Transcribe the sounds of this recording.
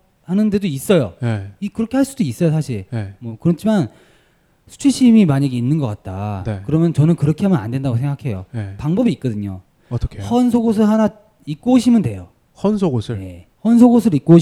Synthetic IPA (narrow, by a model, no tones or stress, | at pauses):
hanɯnde̞dois͈ʌjojeikɯɾʌkʰe̞ɦaɭs͈udois͈ʌjosʰaɕʰiɭemwʌkɯɾʌt͡ɕʰiman | sʰu̥t͡ɕʰiɕʰimimaɲaɡeinːɯnɡʌk͈at̚t͈a̰nekɯɾʌmjʌnt͡ɕʌnɯnkɯɾʌkʰeɦamjʌna̰ndwe̞ndaɡosʰeŋɡakʰe̞jo̰epaŋbʌbiːk̚k͈ʌdɯɲo̰ | tʰʌkʰehʌnsʰoɡos̬ʰɯɭhana | ik̚k͈ooɕʰimjʌnde̞jo | hʌnsʰoɡosʰɯje̞̰ | hʌnsʰoɡos̬ʰɯɾik͈̚oɕ